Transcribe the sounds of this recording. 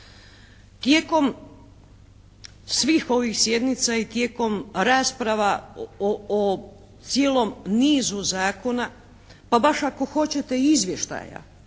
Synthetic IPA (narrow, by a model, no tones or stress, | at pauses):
t̪jeːko̞m | sʋiːxo̞ʋixsje̞d̪nit̪sait̪je̞ːko̞mɾaːspɾaʋa | o | t̪sjeːlo̞mniːzuzaːko̞na | pabaʃako̞xo̞t͡ɕe̞t̪e̞izʋʲje̞ʃt̪a̰ːja̰